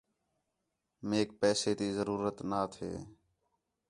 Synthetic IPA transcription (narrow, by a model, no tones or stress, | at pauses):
meːk̚pɛːseːt̪iːzəɾuːɾət̪naːt̪ʰḛː